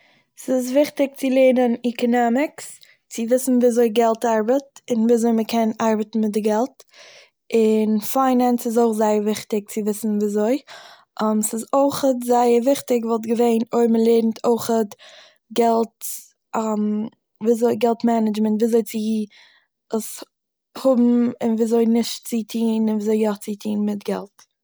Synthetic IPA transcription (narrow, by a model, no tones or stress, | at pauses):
sɪsvɪχtɪk̚t͡sɪlˠeɪnənikɔnɔmɪks | t͡sɪvɪsn̩viːazoɪɡɛlˠtaɾbətɪnviːazoɪməkʰɛnaɾbətn̩mɪt̚dɪɡɛlˠt | ɪnfaɪnɛnsɪzoɪχzaɪəɾvɪχtɪk̚t͡sɪvɪsn̩viːzoɪ | amsɪzoɪχətzaɪəɾvɪχtɪɡvɔlˠt̬ɡəveɪnoɪɾməlˠeɪɾn̩tʰoɪχət | ɡɛlˠt | ʔam | viːzoɪɡɛlˠtmɛnɪd͡ʒməntviːzot͡sɪ | əs | hʊbm̩ɪnviːzoɪnɪʃtt͡sitʰiːnɪnviːzoɪjaχt͡sitʰiːnmɪtɡɛ̰lˠt